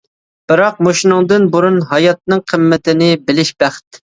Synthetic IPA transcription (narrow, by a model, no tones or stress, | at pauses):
b̥ɨɾɑq̚moʃinɨŋd̪ɨnbuɾunɦɑjɑt̪̚nɨŋqʰəmːɪt̪ɪnɪbɪlɪʃb̥æχt̪